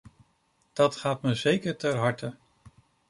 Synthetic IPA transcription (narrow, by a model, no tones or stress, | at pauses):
d̥ɑtχaːtməzejkəɹtɛɹɦɑɹtə